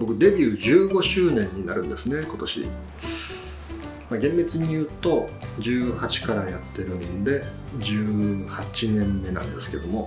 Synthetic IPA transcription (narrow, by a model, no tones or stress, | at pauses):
bo̞kɯ̟d̪e̞bʲjɯːʑɨːɡo̞ɕɨːnẽ̞ɲ̟ːinaɾɯ̟̃nd̪e̞sɨne̞ko̞t̪o̞ɕḭ | maɡẽ̞mbet͡sɨɲ̟ijɯ̟ːt̪o̞d͡ʑɨːhat͡ɕi̥kaɾajat̪ːe̞ɾɯ̟̃nd̪e̞ | d͡ʑɨːhat͡ɕinẽ̞mːe̞nã̰nd̪e̞sɨ̥ke̞̰d̪o̞mo̞